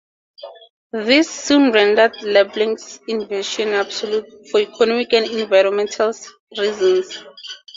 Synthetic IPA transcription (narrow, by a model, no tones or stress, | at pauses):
ðisːũnɹɛ̃ndadlɛblĩŋsĩnvɛʃɔ̃nabsɔljut | fɔikʰɔnɔmikɛ̃ndɛ̃nvajɹɔ̃nmɛ̃ntʰal | ɹizɔ̃ns